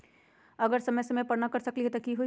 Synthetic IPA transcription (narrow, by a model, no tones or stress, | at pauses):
ɐɡəɾsɐməjsɐməpɐɾnakɐɾsɐkliɦɛt̪okiɦo